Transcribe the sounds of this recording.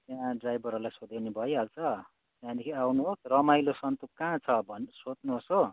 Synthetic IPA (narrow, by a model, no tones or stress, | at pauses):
t̪jãɖrajbʱʌɾʌlajsod̪enebʱʌjɦalt͡sʰʌ | t̪jãd̪ekʰiawnuɦosrʌmajlosʌnt̪ukkãt͡sʰʌbʱʌnsod̪nuɦoso